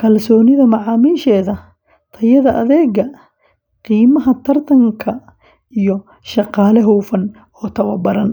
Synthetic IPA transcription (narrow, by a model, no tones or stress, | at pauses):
kʰɐlsɔːnɪðɐmɑʕɑːmiːʃɛːðɐ | t̪ʰɐjɐðɐʔɐðɛːɣɐ | qiːmɐɦɐt̪ʰɐrt̪ʰɐŋkʰɐ | ijɔ | ʃɑqɑːlɛɦuːfɐn | ɔːt̪ʰɐwɐbɐɾɐn